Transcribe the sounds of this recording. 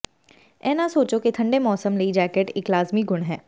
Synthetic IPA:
ɛːnasoːt͡ʃoket̪ʰɐ̃ɳɖemɔːsəmləid͡ʒɛːkeʈɪklaːzmiɡʊɽ̃ɦɛː

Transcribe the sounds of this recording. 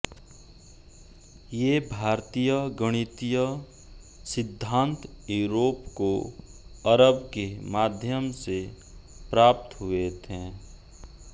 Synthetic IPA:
jebʱaːɾt̪ijəɡəɽ̃ɪt̪ijə | sɪd̪ʱːãːnt̪juɾoːpko | əɾəbkemaːd̪ʱjəmse | pɾaːp̚t̪ɦʊet̪ʰɦɛ̃ː

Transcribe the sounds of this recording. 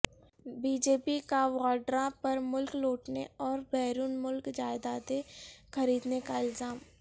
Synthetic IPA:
biːd͡ʒeːpikawaːɖɾapɐɾmʊlkloːʈneɔːɾbɛːɾuːnmʊlkd͡ʒaːɪd̪aːd̪exɐɾiːd̪nekaɪlzaːm

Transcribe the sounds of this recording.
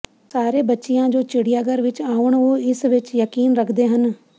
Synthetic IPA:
saːɾebətːʃijãːd͡ʒoːt͡ʃɪɽijaːɡəɾʋɪt͡ʃaːʊɽ̃ʋoːɪsʋɪt͡ʃjəkiːnɾəkʰd̪eɦən

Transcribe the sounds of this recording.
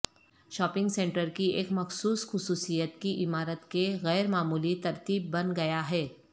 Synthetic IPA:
ʃɔːpɪ̃ŋɡsẽːɳʈəɾkieːkmɐxsuːsxʊsuːsijət̪kiʔɪmaːɾət̪keɣɛːɾmaːmuːlit̪ɐɾt̪iːbːɐnɡɐjaɦɛː

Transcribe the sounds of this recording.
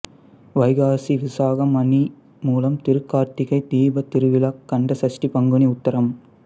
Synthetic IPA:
ʋɐɪɣaːsiʋɪsaːɣɐmɐni | muːlɐmt̪ɪɾɯkːaːɾt̪ɪɣɐɪd̪iːbɐt̪ɪɾɯʋɪlɐkːɐɳɖɐsɐsʈipɐŋɡɯɳiʊt̪ːɐɾɐm

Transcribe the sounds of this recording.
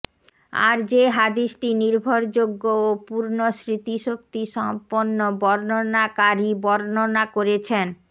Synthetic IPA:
a̰ɾd͡ʑeɦad̪iʃʈiniɾbʱoɾd͡ʑoɡːoopuɾnoʃɾit̪iʃok̚t̪iʃɔmponːobɔɾnonakaɾibɔɾnonakoɾet͡ɕʰen

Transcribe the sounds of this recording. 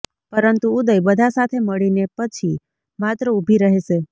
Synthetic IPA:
pəɾənt̪uːd̪əjbəd̪ʱasat̪ʰeməɭinepət͡ʃʰi | mat̪ɾəubʱiɾəɦeʃe

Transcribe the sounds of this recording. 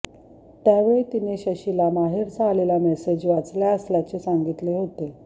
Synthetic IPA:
t̪jaʋeɭit̪ineɕəɕilamaɦiɾt͡saːlelamɛsed͡ʑʋat͡sljaəsljat͡ɕesaŋɡit̪leɦot̪e

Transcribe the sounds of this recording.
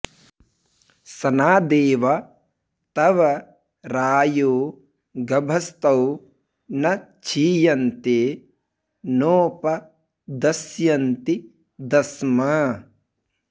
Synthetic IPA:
sɐnaːd̪eːʋɐ | t̪ɐʋɐ | ɾaːjoː | ɡɐbʱɐst̪ɐw | nɐt͡ʃʰiːjɐnt̪e | noːpɐ | d̪ɐsjɐnt̪i | d̪ɐsmɐ

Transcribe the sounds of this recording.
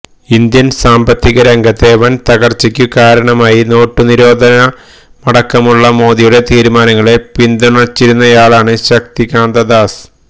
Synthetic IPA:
ind̪jɐnsaːmbɐt̪ːiɣɐɾɐŋɡɐt̪ːe̞ʋɐnt̪ɐɣɐrt͡ɕːikʲːukaːɾɐɳɐmaːjino̞ːʈːɨniɾo̞ːd̪ʱɐnɐ | mɐɽɐkːɐmuɭːɐmo̞ːðijuɽe̞t̪iːɾumaːnɐŋːɐɭe̞pind̪uɳɐt͡ɕːiɾunːɐjaːɭaːɳɨɕɐk̚t̪ikaːnd̪ɐd̪aːs

